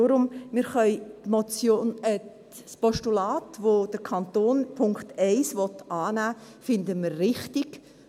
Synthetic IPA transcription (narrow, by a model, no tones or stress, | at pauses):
oːɾʊmmɪɾχœʏtmɔt͡sjoːnə | spɔʃtulɑːtʋod̥əɾkʰɑnt̪oːnpʰʊŋkχtɛɪsʋɔt̪ʔɑːnæː | fɪndəmərːɪχtɪɡ̥